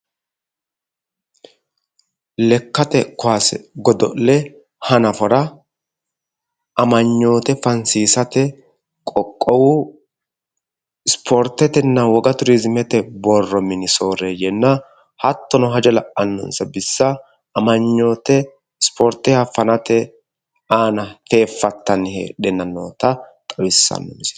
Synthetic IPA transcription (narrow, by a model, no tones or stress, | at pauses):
lɛkːɐt̪ɛkʊaːsɛ̰ɡɔd̪ɔlɛ | hɐnɐfɔɾɐ | ʔɐmɐɲːo̞ːt̪ɛfɐnsiːsɐt̪ɛ | kʼɔkʼːɔwʊ | ɪspʰɔɾt̪ːɛt̪ɛnːɐwɔɡɐt̪ʊɾizmɛt̪ɛbɔrːɔmɪnɪso̞ːɾejɛnːɐ | hɐt̪ːɔnɔɦɐd͡ʒɛlɐʔɐnːɔ̰nsɐbɪsːɐ | ɐmɐɲːoːt̪ɛ | spʰɔɾt̪ːɛhɐfɐnɐt̪ɛ | aːnɐfe̞ːfːɐt̪ːɐnɪhɛ̰ɗɛnːɐnːo̰ːt̪ɐt̪ʼɐwɪsːɐ̰nːɔ̰mɪs